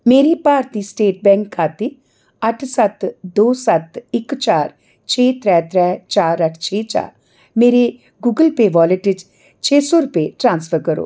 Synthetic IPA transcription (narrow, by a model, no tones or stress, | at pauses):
meːɾepaːɾt̪isʈeːʈ̚bɛ̃ːŋkʰːaːt̪e | ɐʈʰsɐt̪d̪oːsɐt̪ɪkt͡ʃaːɾ | t͡ʃʰeːt̪ɾɛːt̪ɾɛːt͡ʃaːɾəʈʰt͡ʃʰeːt͡ʃa̰ːɾ | meːɾe | ɡuːɡəlpeʋɔːleʈɪd͡ʒ | t͡ʃʰeːsɔɾʊpeʈɾãːnsfʰəɾkəɾo̰ː